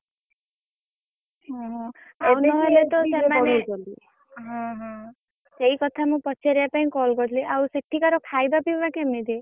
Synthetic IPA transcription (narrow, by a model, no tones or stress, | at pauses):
ɦɔ̃ɦɔ̃awnɔɦɔjlet̪ɔsemanɔli | ɦɔ̃ɦɔ̃ | seikɔt̪ʰamũpɔt͡ʃʰeɾijapaĩkɔlɡɔt̪ʰliʔawsek̚ʈʰikaɾɔkʰajbapibakemid̪ʱi